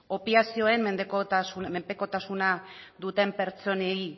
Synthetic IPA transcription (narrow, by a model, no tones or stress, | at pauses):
o̞piasio̞e̞mmːe̞nd̪ekot̪asunmempeko̞t̪asunad̪ut̪e̞mpe̞ɾt͡so̞nei